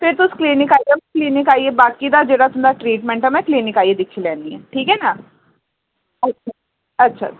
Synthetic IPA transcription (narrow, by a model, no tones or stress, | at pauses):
pʰɪɾt̪ʊskliːnɪkaːiɡemɛ̃kliːnɪkaːiːeːbaːkid̪aːd͡ʒeːɽaːt̪ʊmd̪aːʈɾiːʈmɛ̃ːɳʈɛmɛ̃ːkliːnɪkaːied̪ɪkʰːiːlɛ̃ːnd̪iːɛ̰ːʈʰiːkɦɛːnaː | ətt͡ʃa | ətːʃʰa̰ː